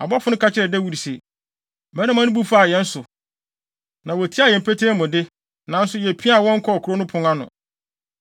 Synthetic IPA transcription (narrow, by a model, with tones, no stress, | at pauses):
a̰˨bɔ˦fʊ˨˦nʊ̃˦ka˦t͡ɕʰɪ˦ɾɛ˨dɛ˦wu˦ɾi˨se˨ | bɛ˦nã˦mã˦nʊ̃˦bu˦fa˦˨jɛ̃˨n̩˦sʊ˨ | nã˨wɔ˨tʰi˦a˦˨jɛ̃˨m̩˨pʰe˦tʰeː˦mʊ̃˨dɪ˦ | nã˨˦n̩˦sʊ˦jɛ˨pʰi˦a˦˨wɔ̃˦ŋ̩˦kʰɔ˦˨kʰu˨ɾo˦nʊ̃˦pʰʊ̃˦ŋã˦nʊ̰̃˨